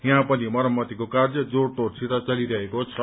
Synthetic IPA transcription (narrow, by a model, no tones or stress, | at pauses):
jãpʌnimʌɾʌmːʌt̪ikokard͡zʌd͡zoɽʈorsit̪at͡sʌliɾʌɦekot͡sʰʌ